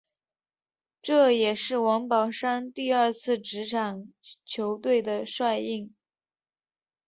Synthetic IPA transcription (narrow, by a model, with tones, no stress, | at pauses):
ʈ͡ʂɤ˥˩jɛ˨˩ʂɻ̩˥˩wɑ˧˥ŋpɑ˨˩ʊʂa˥nt̪i˥˧ə˞˥˧t͡sʰɹ̩˥˩ʈ͡ʂɻ̩˧˥ʈ͡ʂʰɑ˨˩ŋt͡ɕʰjo˧˥ʊt̪we˥˩ɪd̪ə˩ʂwa˥˧ɪi˥˩ŋ